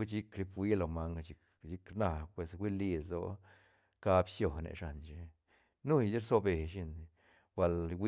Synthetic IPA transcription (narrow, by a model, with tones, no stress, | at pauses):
i˦t͡ʃi˦kɾi˧˦pwi˦lo˧ma˧ŋɡt͡ʃi˧k | t͡ʃi˧˦kɾna˧pwe˧swi˦li˧so̰˦ | ka˧bsjo˧˨nḛ˧ʂa˨nt͡ʃe˧ | nu˦˧i˦ɾso˦˧be˨ʃi˧n | b̥ʷa˧lwi˦